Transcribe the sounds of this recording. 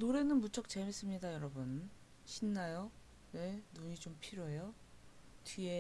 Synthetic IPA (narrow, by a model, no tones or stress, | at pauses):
noɾe̞nɯnmut͡ɕʰʌk̚t͡ɕemes͈ɯmɲidajʌɾʌbun | ɕʰinːajo | ne̞nuɲit͡ɕompʰiɾjoɦejo | tie̞